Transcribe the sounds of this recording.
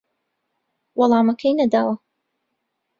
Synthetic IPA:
wɑlˠɑːmɐkʰɐjnɐd̪aːwɐ

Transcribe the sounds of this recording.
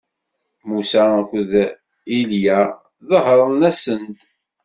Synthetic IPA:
musakʷð | iljæ | ðəɦəɾˤnæsənt̪

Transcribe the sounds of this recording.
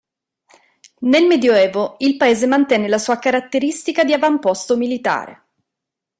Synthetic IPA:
nelmed̪joɛːvoilpaeːzemant̪ɛːnelasuːakaɾat̪ːeɾist̪ikad̪iavampɔst̪omilit̪a̰ːɾḛ

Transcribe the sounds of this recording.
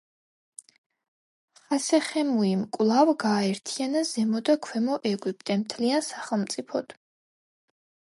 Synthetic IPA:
χasɛχɛmuimkʼwlˠavɡaːɛɾt̪ʰianazɛmɔd̪akʰwɛmɔʔɛɡwipʼt̪ʼɛmt̪ʰliansaχɛlˠmt̪sʼipʰɔd̪̥

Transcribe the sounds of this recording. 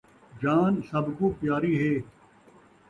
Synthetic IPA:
d͡ʒaːnsɐbkuːpjaːɾiːɦeː

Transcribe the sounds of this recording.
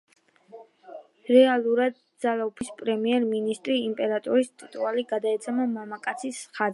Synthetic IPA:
ɾɛalˠuɾad̪̚d̪zalaupʰispʼɾɛmiɛɾminist̪ʼɾiːmpʼɛɾat̪ʼɔɾist̪ʼit̪ʼualiɡad̪aɛt̪sʰʼɛmamamakʼat̪sʰisχa

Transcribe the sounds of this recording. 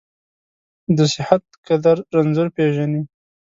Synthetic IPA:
d̪əsɪhat̪̚kad̪aɾːanzʊɾpeʒani

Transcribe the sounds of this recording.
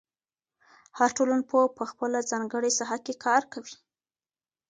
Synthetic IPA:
haɾʈolanpopəxpəlazɑŋɡəɽesaɦakekʰɑɾkawi

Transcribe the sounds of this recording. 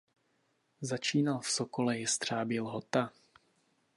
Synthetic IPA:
zat͡ʃiːnalfsokolɛjɪst̪r̝̥aːbɪlɦot̪a

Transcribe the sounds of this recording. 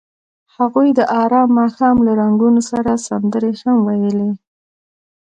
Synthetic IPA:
haɣujd̪əʔɑɾɑmːɑxɑmlaɾaŋɡunosaɾasand̪əɾehamwajəle

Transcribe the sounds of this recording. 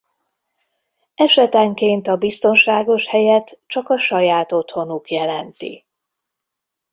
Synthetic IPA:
ɛʃɛt̪ɛŋkeːnt̪ɒbist̪o̞nʃaːɡo̞ʃhɛjɛt̪t͡ʃɒkɒʃɒjaːt̪o̞t̪ho̞nukjɛlɛnt̪ḭ

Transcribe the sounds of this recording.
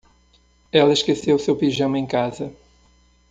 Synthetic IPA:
ɛlˠɐɪʃkesewusewpiʒɐ̃w̃ẽj̃kazɐ

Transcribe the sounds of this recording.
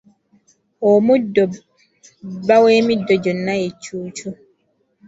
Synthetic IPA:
ʔɔmudɔ | baweːmidɔd͡ʒɔnːajɛt͡ʃuːt͡ʃu

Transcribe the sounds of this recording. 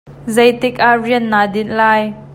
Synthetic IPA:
zejt̪ɪk̚ʔaʔriən̚nːaːdɪnʔlaːj

